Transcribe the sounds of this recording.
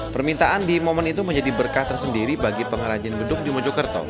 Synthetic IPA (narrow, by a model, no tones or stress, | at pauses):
pərmint̪aʔandimomɔnit̪uməɲd͡ʒadibərkaht̪ərsəndiɾibaɡipəŋəɾad͡ʒianbədʊk̚dimɔd͡ʒɔkərt̪ɔ̰